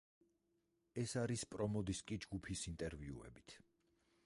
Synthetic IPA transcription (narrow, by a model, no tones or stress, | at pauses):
ɛsaɾispʼɾɔmɔd̪iskʼid͡ʒɡupʰisint̪ʼɛɾviṵɛ̰bit̪ʰ